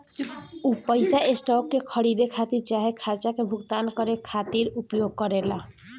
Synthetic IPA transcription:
upəjsaesʈɔkːekʰəɽid̪ekʰat̪iɾt͡ʃaɦekʰaɾt͡ʃakebʱuɡt̪ankɔɾekʰat̪iɾupjoɡ̚kɔɾela

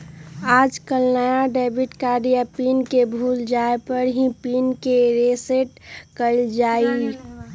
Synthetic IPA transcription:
aːd͡ʒkəlnəjaɖeːbʱiʈkaːɾijapiːnkebʱuːld͡ʒaepəɾɦĩpiːnkeɾeseʈkəld͡ʒaːi

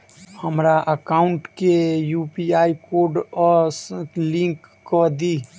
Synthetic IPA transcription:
həmɾaʔəkaʊɳʈkejupiaikoɾɖɔslĩŋkːɔd̪i

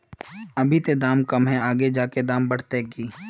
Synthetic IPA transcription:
ɐbʱit̪ed̪aːmkɐmɦɛaːɡed͡ʒaːked̪aːmbɐɽ̤t̪ekiː

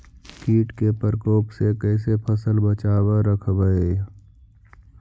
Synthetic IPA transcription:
kiːʈkepəɾkoːpsekɛːs̬epʰəsəlbət͡ʃaːwaɾəkʰbəe

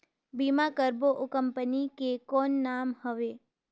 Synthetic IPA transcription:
bimakəɾboʔʊkəmpənikekonːamhəʋe

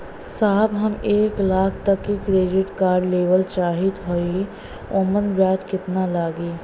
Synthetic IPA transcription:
saːbɦɐmeːklaːkʰt̪ɐkːikɾeːd͡ʒɪʈkaːɾɖleːʋəlt͡ʃaːɦɪt̪ɦoi | oːmənʋjaːd͡ʒkɪt̪nalaːɡiː

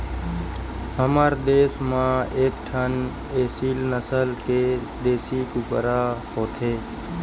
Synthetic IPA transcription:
həmaːɾd̪eːsmãːeːk̚ʈʰən | eːsiːlnəsəlkeːd̪eːsiːkʊpəɾaːɦoːt̪ʰeː

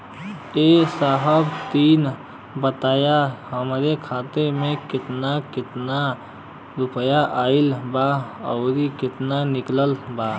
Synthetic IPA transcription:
esaːɦəbt̪iːn | bət̪aːjahəmɾekʰaːt̪eɾmẽkɪt̪nakɪt̪na | ɾʊpəjaʔaːɪlbaəʊɾikɪt̪nanɪkləlba

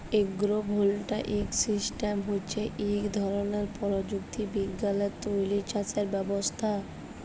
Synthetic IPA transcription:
eɡɾobʱolʈaʔiksisʈemɦotːt͡ɕʰeʔikd̪ʱɔɾoneɾpɔɾod͡ʑuk̚t̪ibiɡːalet̪ojlit͡ɕat͡ɕeɾbɛbost̪ʰa

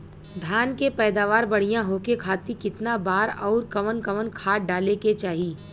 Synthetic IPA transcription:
d̪ʱjaːnkepɛːd̪aːʋaːɾbɐɽ̤ijãɦokekʰaːt̪ikɪt̪nabaːɾɔːɾkɐmənkɐmənkʰaːɖaːleket͡ʃaːɦiː

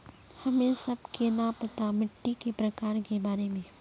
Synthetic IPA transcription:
hɐmẽsɐbkenapɐt̪amɪʈːikepɾɐkaːɾkebaːɾemẽː

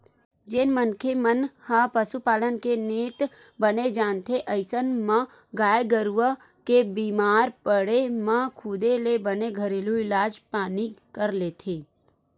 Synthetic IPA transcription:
d͡ʒɪnmənkʰemənhapəsupaːlənkeneːt̪ | bəned͡ʒaːnt̪ʰeʔɐɪsənmã | ɡaːjeɡəɾuʋə | kebiːmaːɾpəɽemãkʰʊd̪elebəneɡʱəɾeluɪlaːd͡ʒpaːnikəɾleːt̪ʰeː

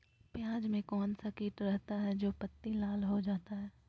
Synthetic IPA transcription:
pjãːd͡ʒmẽkɔːnsakeːʈɾɛɦt̪aɦɛd͡ʒoːpɐt̪ːilaːlɦod͡ʒaːt̪aɦɛː

